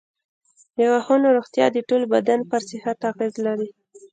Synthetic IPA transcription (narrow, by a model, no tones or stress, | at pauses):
jjawaxonoɾoɣt̪jɑ̰d̪əʈolbad̪anpəɾsɪhat̪ːɑɣizlaɾi